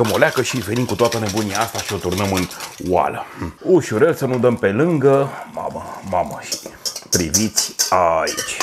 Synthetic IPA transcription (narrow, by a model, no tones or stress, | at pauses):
əmoleakəʃive̞nimkut̪oat̪əne̞bunijaast̪aʃio̞t̪urnəmɨnwa̰ləuʃuɾelsənud̪əmpe̞lɨŋɡəma̰məmaməʃi̥pɾivit̪sʲaḭt͡ʃʲ